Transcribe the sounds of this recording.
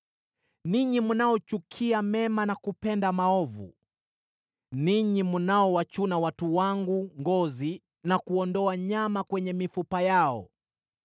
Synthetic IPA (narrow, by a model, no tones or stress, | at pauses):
niɲimunaɔt͡ʃukʰiamɛmanakupɛndamaɔvṵ | niɲimunaɔwat͡ʃunawatuwaŋɡuŋɡɔzi | nakuɔndɔaɲamakwɛɲɛmifupajaɔ̰